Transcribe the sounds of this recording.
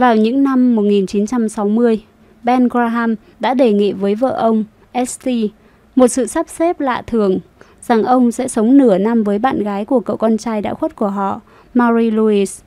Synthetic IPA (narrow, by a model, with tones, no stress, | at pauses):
vaː˨˩wɲɨ̰˧˥ŋna˧mːo˨˩t̚ŋi˨˩nt͡ɕi˨˦nt͡ɕa˧msa˨˦wmɨ˧əj | ɓɛ˧nɣɹaː˧ɦaː˧m | ɗa̰ː˧˥ɗe˨˩ŋḭ˧˨vəː˨˦jvə̰ː˧˨ʔə˧wŋ͡m | ʔɛ˦˥st̪i˧ | mo˨˩t̚sɨ̰˧˨sa˦˥p̚sɛ˦˥p̚la̰ː˧˨t̪ʰɨ˨˩əŋ | z̥a˨˩ŋʔə˧wŋ͡msɛ̰˧˥sə˨˦wŋ͡mnɨ˧˩əna˧mvəː˨˦jɓa̰ː˧˨nɣaː˨˦jku˧˩əkə̰˧˨wkɔ˧nt͡ɕaː˧jɗa̰ː˧˥xwə˦˥t̚ku˧˩əɦɔ̰˧˨ | maː˧zi˧lu˧i˧s